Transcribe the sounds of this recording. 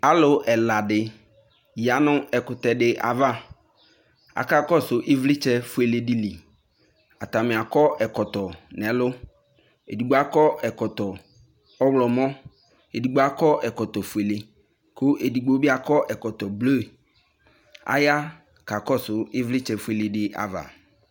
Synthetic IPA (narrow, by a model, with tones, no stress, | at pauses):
a˨lʊ˨ʔɛ˨la˨dɪ˨ | ja˨nʊ̃˦ɛ˨kʊ˨t̪ɛ˨ɖɪ˨ʔa̰˨va˦ | a̰˨ka˦kɔ˦sʊ˨ʔɪ˦vlɪ˦t͡ʃɛ˦fu˦e˨le˨di˨li˨ | a̰˨t̪a˨mɪ̃˨a˨kɔ˦ʔɛ˨kɔ˨t̪ɔ˨nɛ˨lʊ˦ | ḛ˨di˨ɡ͡bo˨˦a˦kɔ˦ɛ˨kɔ˨t̪ɔ˨ | ɔ˦wlɔ˨mɔ̃˦ | e˨di˨ɡ͡bo˨˦a˦kɔ˦ʔɛ˨kɔ˨t̪ɔ˨fu˨e˨le˨ | kʰʊ˦e˨di˨ɡ͡bo˨˦bɪ˦a˨kɔ˦ʔɛ˨kɔ˨t̪ɔ˨blo˦˨ | a̰˨ja˦ | ka˨kɔ˦sʊ˨ɪ˦vlɪ˦t͡ʃɛ˨fu˦e˨le˨dɪ˦a̰˨va̰˨